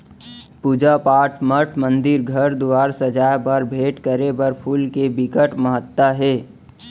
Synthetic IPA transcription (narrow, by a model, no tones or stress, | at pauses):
puːd͡ʒapaːʈʰməʈʰmə̃nd̪ɪɾɡʱəɾd̪ʊʋaːɾsɐd͡ʒaːjpɐɾbʱeːʈkəɾepɐɾpʰuːlkebɪkəʈməɦət̪ːaɦɛː